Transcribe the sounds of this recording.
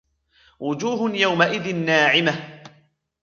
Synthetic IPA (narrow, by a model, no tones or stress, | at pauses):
wʊd͡ʒuːɦʊnjawmaʔɪðɪnːaːʕɪmah